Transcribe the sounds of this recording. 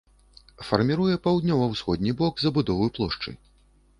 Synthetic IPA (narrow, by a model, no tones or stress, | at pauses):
fɐrmʲiɾujɛpawd̪nʲɔvɐwsxɔd̪ʲnʲibɔɡzɐbud̪ɔvɨjplˠɔʂt͡ʂɐ̰j